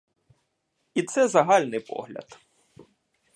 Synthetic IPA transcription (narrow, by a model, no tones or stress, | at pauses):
it̪sɛzɐɦɑlʲnɪjpɔ̰ɣlʲɐ̰t̪